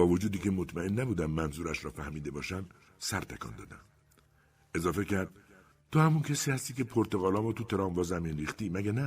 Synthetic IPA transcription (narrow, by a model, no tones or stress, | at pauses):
bɒːvod͡ʒuːd̪iːcʰe̞mot̪ʰmæenːæbuːd̪æmːænzuːɾæʃɾɒːfæhmiːd̪e̞bɒːʃænd̪ | sæɾt̪ʰekʰɒ̰ːnd̪ɒ̰ːd̪æ̰m | e̞zɒːfe̞cʰæɾd̪̥̚ | t̪ʰohæmuncʰesiːhæst̪iːcʲʰe̞pʰoɾt̪e̞ɣɒːlɒːmɔːt̪ʰut̪ʰe̞ɾɒːmvɒːzæmiːnɾiːxt̪iːmæɟænæ